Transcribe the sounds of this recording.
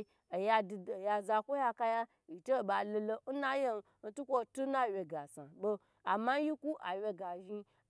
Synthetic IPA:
ja˧˨ja˧za˧kʷo˦ja˦ka˦ja˦ | ji˨te˦˨ba˨lo˧lo˧n̩˦na˦je˦n˦ | n̩˦tu˦kʷo˦tu˦na˦˨wʲe˧ɡa˨sa̰˨bo˧ | a˨ma˦n˦ji˦ku˦ʔa˨wʲe˧ɡa˨ʒi˧

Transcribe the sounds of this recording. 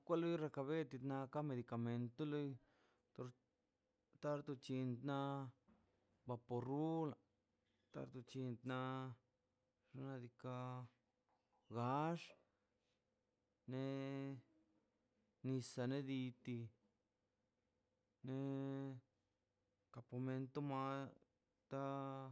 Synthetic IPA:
kʷa˦lo˦jɾa˧ka˧βe˦t̪i˧t̪na˧ka˦me˧d̪i˨ka˨me˧nt̪o˦lo˦j | t̪o˧ɾ | t̪a˦ɾt̪u˧t͡ʃi˧nd̪na˧ | ba˧po˧ru˦la˨ | t̪a̰˧ɾt̪u˧t͡ʃi˧nd̪na˧ | ʐa˧na˧d̪i˧ka˧ | ɡa˧˦ʂ | ne˧ | ni˧sa˧ne˦d̪i˧t̪i˧ | ne˧ | ka˨po˧me˧nt̪o˦ma˧˦ | t̪a˦

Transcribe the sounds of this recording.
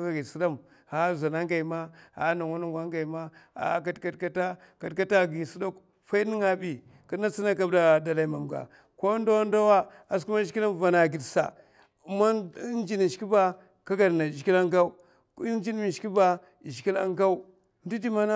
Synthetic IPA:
a˨ɡi˨si˦da˦m | ha˨˦za˨na˦ŋɡa˨i˨ma˦ha˨˦na˨ŋa˦nu˦ŋɡʷa˦ŋɡa˨i˨ma˦a̰˨˦k̬a˦dka˦dka˦ta˦ | ka˨dka˦ta˦ɡi˨si˦do˦k | fa˦i˦ni˦ŋa˦bi˨ | ka˦na˦t͡si˦na˦k̬a˦bda˦da˨la˨i˦ma˨mɡa̰˨ | ko˦nda˦wa˦nda˦wa˦ | a˨s̬ku˦ma˦ʃi˦ki˦la˦nva˨na˨ɡi˨dsa̰˨ | ma˦n˦d͡ʒi˦ni˨ʃki˦ba˦ | ka˦ɡa˨dna˨d͡ʒki˦la˦ŋɡa˦u˦ | n˦d͡ʒi˦n˦mi˨ʃi˦ba˦ | i˨ʒi˨˦i˦la̰˦ŋɡa˦u˦ | n˦di˦di˦ma˦na˦

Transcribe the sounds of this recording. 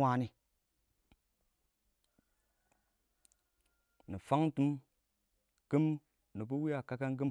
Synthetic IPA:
a˨ni˨ | ni˨fa˦ŋtu˦m | kə˦m | ni˨b̬u˦wi˦a˨ka˦ka˦ŋ˦k̬ɨ˦m

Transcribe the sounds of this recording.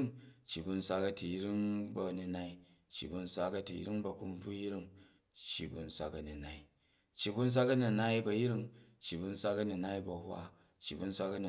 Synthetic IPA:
ŋt͡ʃːi˨bu˧n̩˦sʷa˦kɐ˦˧ti˨ji˦ɾi˦ŋbɐ˨ni˧na˦i˦ | t͡ʃːḭ˨bu˧n̩˦sʷa˦kɐ˧ti˨jḭ˦ɾi˦ŋbɐ˨ku˦m˦b͡vu˦ji˦ɾi˦ŋ | t͡ʃːi˨bṵ˨n̩˦sʷa̰˦kɐ˨ni˨na˨i˦ | t͡ʃːi˨bu˦n̩˦s̬ʷa˦kɐ˦ni˨na˦i˦bɐ˧ji˦ɾi˦ŋt͡ʃːi˨bu˧n̩˦sʷa˦kɐ˦ni˨na˦i˦bɐ˨hwa̰˦t͡ʃːi˨bu˦n̩˦sʷa˦kɐ˦ni˨

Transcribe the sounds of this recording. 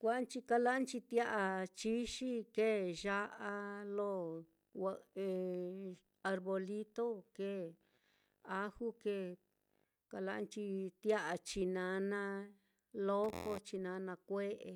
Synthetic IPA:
kʷa˦a˦nt͡ʃi˧ka˧la˦nt͡ʃi˧t̪ja˦ʔa˧t͡ʃi˦ʃi˦ke˦˨ʒa˦ʔa˧lo˦ | a˧e˨ | a˧ɾβo˧li˦t̪o˦ke˦˨ | a˦hu˦ke˦˨ | ka˧la˧a˦nt͡ʃi˧t̪ja˦ʔa˨˧t͡ʃi˧nã˨˧nã˧ | lo˦ko˧t͡ʃi˧nã˧˦nã˧kʷe˦ʔe˧

